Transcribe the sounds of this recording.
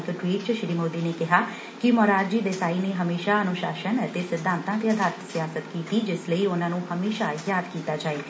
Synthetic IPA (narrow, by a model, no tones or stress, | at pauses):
t̪oʈwiːʈt͡ʃʃɾiːmoːd̪iːneːkɪɦaː | kɪmɔːɾaːd͡ʒd͡ʒiːd̪esaːineːɦəmeːʃaːənʊʃaːʃənət̪eːsɪd̪ʱːãːnt̪ãːt̪eəd̪ʱaːɾt̪sɪjaːsət̪kiːt̪iːd͡ʒɪsləiʊnãːnũːhəmeːʃaːjaːd̪kiːt̪aːd͡ʒaːeː